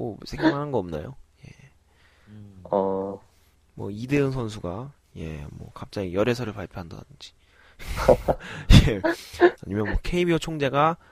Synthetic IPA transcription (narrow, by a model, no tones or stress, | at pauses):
o̰sʰeŋmanɦanɡʌʌmna̰joje | ʌ | mwʌ̰ide̞ɯns̬ʰʌns̬ʰuɡa | je̞̰mwʌ̰kap̚t͡ɕ͈aɡijʌɾesʰʌɾɯɭpaɭpʰjoɦanda̰d̥ɯnd͡ʑi̥ | je | aɲimjʌnmwʌkʰe̞ibiʌt͡ɕʰoŋd͡ʑe̞ɡa